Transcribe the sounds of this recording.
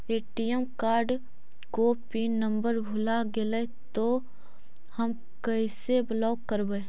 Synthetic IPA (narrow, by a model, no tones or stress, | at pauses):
eːʈijɛmkaːɾɖ | kopiːnːə̃mbəɾbʱʊlaɡele | t̪o | həm | kəisebəlaːkːəɾbə